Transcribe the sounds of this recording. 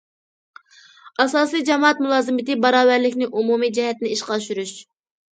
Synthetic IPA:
ɑsɑːsɨjd͡ʒɛmɑɑt̪̚mulˠɑːzɨmɪt̪ɪbɑɾɑːvæɾlɪkʲnɪʔumumid͡ʒɛɦɛt̪nɪiʃqɑʃyɾyʃ

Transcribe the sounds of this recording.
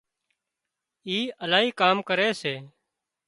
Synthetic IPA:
iːʔəlaːɦiːkaːmkəɾeːseː

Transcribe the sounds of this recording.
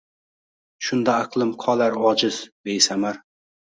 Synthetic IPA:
ʃʊnd̪aːqʰlˠɪmqʰɒlaɾɒd͡ʒɪzd̪ejsamaɾ

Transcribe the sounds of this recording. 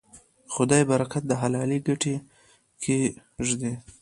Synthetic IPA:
xʊd̪ɑjbaɾakat̪̚d̪əɦalɑliɡaʈe | kʰe | ʒd̪e

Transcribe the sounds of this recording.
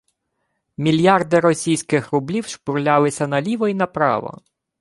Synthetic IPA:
mʲilʲjɑrd̪ɪɾɔsʲijsʲkɪxɾʊblʲiwʃpʊɾlʲɑlˠɪsʲɐnɐlʲiʋɔinɐpɾɑ̰ʋɐ̰

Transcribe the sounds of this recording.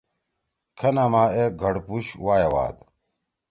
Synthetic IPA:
kʰɐnaːmaːeɡʱɐɽpuɕwaːjewa̰ːd̪

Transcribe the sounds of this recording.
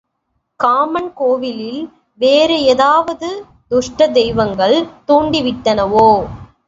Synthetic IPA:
kaːmɐnkoːʋɪlɪl | ʋeːɾɯɛðaːʋɐðɯ | d̪ʊʂʈɐd̪ɛjʋɐŋɡɐɭt̪oːɳɖiʋɪʈːɐnɐʋoː

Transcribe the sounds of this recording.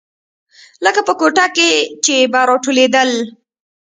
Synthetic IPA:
ləkapəkoʈaket͡ʃebɑɾoʈʰoled̪əl

